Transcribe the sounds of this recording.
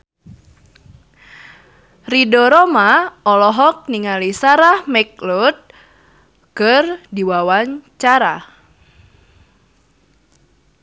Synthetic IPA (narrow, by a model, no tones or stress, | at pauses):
ridɔɾɔmaɔlɔɦɔk̚niŋalisaɾahmɛk̚lut̪̚ | kɨrdiwawaɲt͡ʃaɾa